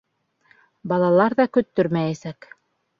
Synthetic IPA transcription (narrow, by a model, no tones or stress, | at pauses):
bɑlˠɑlˠɑɾðɑkɵ̆t̪ːɵɾmæjæsæk